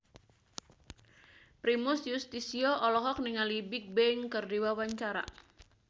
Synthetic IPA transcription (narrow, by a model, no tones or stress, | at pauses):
pɾimʊsjust̪isiɔʔɔlɔɦɔk̚niŋalibik̚bɛŋkɨrdiwawaɲt͡ʃaɾa̰